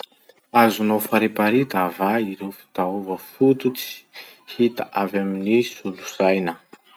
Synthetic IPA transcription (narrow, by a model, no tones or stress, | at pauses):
azunawfaɾepaɾit̪avaiɾewfi̥t̪aovəfut̪ut͡si̥ | hit̪a̰ʔavaminisulu̥sajnə